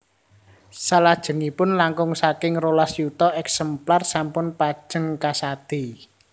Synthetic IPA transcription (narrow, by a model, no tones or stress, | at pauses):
salad̥ʒ̥ə̤ŋipʊnlaŋkʊŋsakɪŋrolasjut̪ɔʔɛksɛmplarsampʊnpḁʒ̥ə̤ŋkasad̪̥i